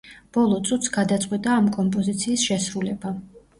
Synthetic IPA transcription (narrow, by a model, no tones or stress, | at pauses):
b̥ɔlˠɔt̪sʼut̪sɡad̪at̪sʼqʼwit̪ʼaːmkʼɔmpʼɔzit̪sʰiːsʃɛsɾulɛba